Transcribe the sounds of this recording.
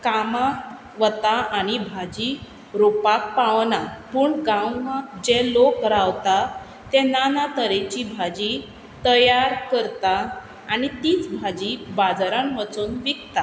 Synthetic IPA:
kama | ʋət̪aanibʱad͡ʑi | ɾopak̚paʋnapuːɳɡãwmad͡ʑɛlokɾaʋt̪a | t̪ɛ̃nanat̪əɾet͡ɕibʱad͡ʑi | t̪əjaɾkəɾt̪aː | ɽit̪iːt͡sbʱad͡ʑibad͡zɾãnʋət͡suːnʋikt̪a

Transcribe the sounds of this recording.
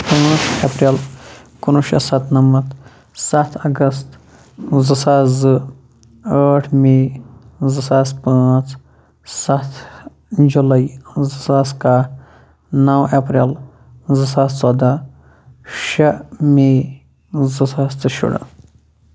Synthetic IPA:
pə̃t͡sɐpɾelkunuʃɐ̰sɐt̪ʰnɐmɐt̪ | sɐt̪ʰɐɡɐst̪ | zɨsaːzɨ | əːʈʰme | zɨsaːspãːt͡sʰ | sɐt̪ʰ | d͡ʒulɐizɨsaːska | nɐwɐpɾeːl | zɨsaːst͡sɔd̪ɐ | ʃɐme | zɨsaːst̪ɨʃṵɽɐ̰

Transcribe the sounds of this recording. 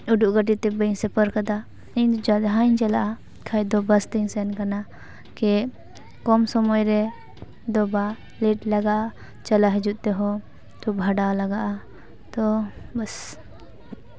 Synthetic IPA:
uɖuʔɡəʈ̬it̪ɛbənsɛpəɾkad̪a | id͡ʒad̪ɦaɲt͡ʃɐlaʔa | kʰajd̪ɔbɐst̪iŋsɛnkana | kɛ | kɔmsɔmɔjɾɛ | d̪ɔba | lɛʈlaɡaʔa | t͡ʃɐlaɦɛd͡ʒuʔ̪t̪ɛɦɔ | t̪ɔbʱaɖalaɡaʔa | t̪ɔbɐs

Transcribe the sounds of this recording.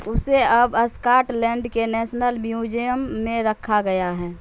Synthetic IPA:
ʊseəbəskaːʈlɛ̃ːɳɖkenɛːsnəlmjuːd͡ʒijəmːẽɾəkʰaɡəjaɦɛː

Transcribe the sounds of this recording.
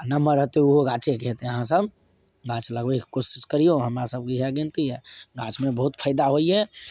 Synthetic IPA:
nəməɾːəɦt̪euɦoɡãt͡ʃekɦet̪eəɦãsəb | ɡãt͡ʃləɡbeki̥kosɪ̥skəɾijoɦəmɾasəb̚kiɦɛɡẽnt̪iɛɡãt͡ʃmẽbəɦut̪pʰəjd̪aɦoiɦɛ

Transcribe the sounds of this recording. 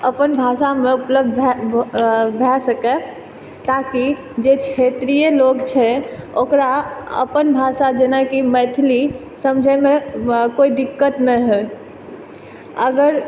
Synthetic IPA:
əpənbʱasameupləb̚d̪ʱɛ | bʱɛsəkɛ | t̪aki | d͡ʒet͡ʃʰet̪ɾijelokt͡ʃʰɛokɾaə̰pənbʱasad͡ʒenɛkimɛt̪ʰli | səmd͡ʒʱəmekoid̪ikːət̪nɛɦo | əɡəɾ

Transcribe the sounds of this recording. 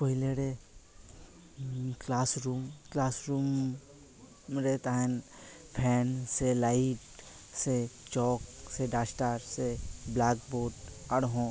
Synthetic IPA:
pəɦileɾe | klaːsɾuːmklaːsɾuːm | ɾet̪aɦɛn | pʰɛːnselaɪʈ | set͡ʃɔːkseɖaːsʈaɾseblaːk̚boːʈɐɽɦõ

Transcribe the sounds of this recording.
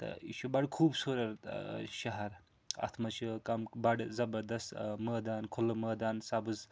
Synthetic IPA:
t̪ɐ̰ḭʃubɐɖkʰuːbsoːɾɐɾʃɐɦɐɾ | ɐ̰t̪ʰmɐt͡ʃʰɨkɐmbɐɖzɐbɐɾd̪ɐst̪mɐːd̪aːnkʰulɨmɐːd̪aːnsabɨz

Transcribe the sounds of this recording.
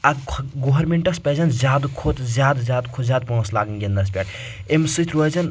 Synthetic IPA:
ɐɡoɦɐɾmeɳʈɐspʲɛzɐnzjaːd̪kʰot̪zʲjaːd̪zjaːd̪kʰozʲjaːd̪̚põslaːɡənɡʲend̪ɐspʲɛʈ | emsɨt̪ʰɾozɐn

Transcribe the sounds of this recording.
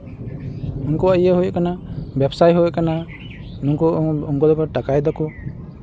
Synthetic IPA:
unkɔajəɦujɔʔkanabɛbsajɦujɔʔkana | nuŋkɔuŋkɔd̪ɔpaʈakajd̪ɔku

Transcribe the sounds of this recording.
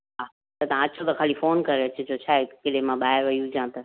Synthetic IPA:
ɦaː | t̪ɐt̪aãɐt͡ɕʰot̪ɐkʰaːlifoːnkɐɾeɐt͡ɕed͡ʑot͡ɕʰaːekɪlemãɓaːɦɪɾʋɐijũd͡ʑãːt̪ɐ

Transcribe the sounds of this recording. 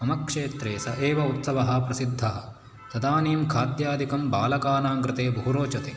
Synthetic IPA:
ɐmɐkʂeːt̪ɾeːsɐʔeːʋɐut̪sɐʋɐɦɐ̆pɾɐsid̪ʱːɐɦɐ | t̪ɐd̪aːniːmkʰaːd̪jaːd̪ikɐmbaːlɐkaːnaːŋɡɾɪt̪eːbʱɐɦuɾoːt͡ʃɐt̪eː

